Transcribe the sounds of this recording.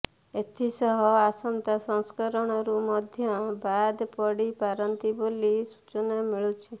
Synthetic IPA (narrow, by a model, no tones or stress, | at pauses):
et̪ʰisɔɦɔasɔnt̪asɔŋskɔɾɔɽ̃ɔɾumɔd̪ʱjɔbad̪pɔɽipaɾɔnt̪ibolisu̥t͡ʃɔnamiɭut͡ʃʰi